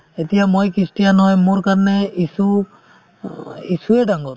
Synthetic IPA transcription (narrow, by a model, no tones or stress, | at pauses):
etijamojkisʈijanɔɦɔjmoɹkaɹnɛisu | isuɛdaŋɡɔɾ